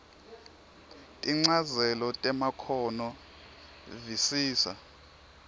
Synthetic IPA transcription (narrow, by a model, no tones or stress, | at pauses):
tʼiŋ͡ǀazɛlɔtʼɛmakʰɔnɔ | visiːsa̰